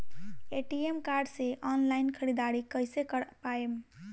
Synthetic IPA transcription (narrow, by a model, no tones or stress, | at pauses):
eʈiemkaɾɖseʔɔnlainkʰəɾid̪aɾikəjsekəɾpaem